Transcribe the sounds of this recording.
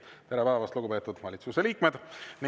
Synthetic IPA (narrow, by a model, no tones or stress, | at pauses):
t̪eɾepæːvɑst̪luɡupe̞ːt̪ːˑud̪̥vɑlʲit̪suse̞liːkmed̪̥ni